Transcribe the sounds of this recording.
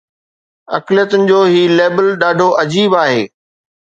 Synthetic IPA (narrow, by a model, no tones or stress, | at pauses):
ɐ̰klijət̪ʊnɪ̆d͡ʑoːɦiːleːbəlɗaːɖʱoʔɐd͡ʑiːbaːɦeː